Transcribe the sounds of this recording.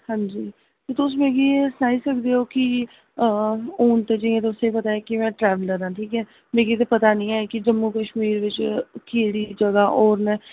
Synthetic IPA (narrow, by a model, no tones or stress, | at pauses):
hãːɲd͡ʒiː | t̪eːt̪ʊs̬mẽːɡiːesənaːiːsəkd̪eːoːkɪ | oːnt̪eːd͡ʒiẽːt̪eʊsepət̪aːeːkimɛ̃ːʈɾɛːʋələɾãːʈʰiːkɛː | mẽːɡiːt̪̬eːpət̪aːnĩːaːkɪd͡ʒəmːuːkəʃmiːɾʋɪt͡ʃkeːɽiːd͡ʒəɡaːʔoːɾnɛː